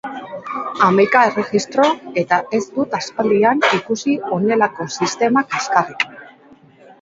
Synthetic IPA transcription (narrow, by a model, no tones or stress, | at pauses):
amajkae̞re̞ɣist̪ɾo̞e̞t̪aʔe̞zd̪ut̪aspald̪ianikusio̞ne̞lako̞sist̪e̞makeskarik